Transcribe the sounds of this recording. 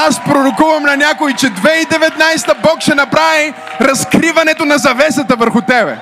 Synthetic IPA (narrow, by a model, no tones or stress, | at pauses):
aspɾoɾokuvɐmnɐnʲakoit͡ʃɛd̪vɛid̪ɛvɛt̪najst̪əbɔkʃɛnɐpɾavi | ɾɐskɾivɐnɛt̪onɐzɐvɛsət̪əvəɾxʊt̪ɛbɛ̰